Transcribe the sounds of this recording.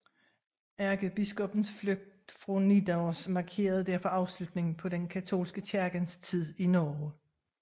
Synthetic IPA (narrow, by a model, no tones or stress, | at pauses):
æɐɡ̥əb̥isɡ̥ɔ̽b̥n̩sfløɡ̥̚d̥fʁonid̥aʊsmɑ̈kʰe̝̰ːɐð̞ˠd̥æɐ̰fɒ̽ʔɑ̈ʊslud̥ne̝ŋn̩pʰɒ̽denkʰæt͡sʰo̝̰ːlsɡ̥ət͡ɕʰæɐɡ̥ənst͡sʰið̞̰ˠinɒː